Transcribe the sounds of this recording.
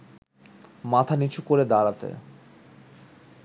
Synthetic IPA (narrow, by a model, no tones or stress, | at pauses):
mat̪ʰanit͡ɕʰukoɾed̪aɾat̪ḛ